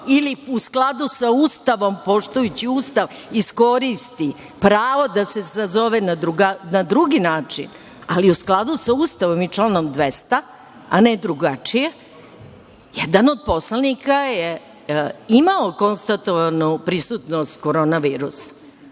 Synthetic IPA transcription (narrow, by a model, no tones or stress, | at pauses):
iliusklˠad̪usauːst̪aʋo̞mpo̞ʂt̪ujut͡ɕiuːst̪aʋisko̞ɾist̪i | pɾaːʋo̞d̪ase̞sazo̞ʋenad̪ɾuɡanad̪ɾuɡinaːt͡ʂḭn | aliusklˠad̪usauːst̪aʋo̞mit͡ʂlano̞md̪ʋest̪a | aned̪ɾuɡat͡ʂije | jɛd̪anod̪̚po̞slanikaje | imaoko̞nst̪at̪oʋanupɾisut̪nost̪koɾo̞ːnaʋiːɾusḁ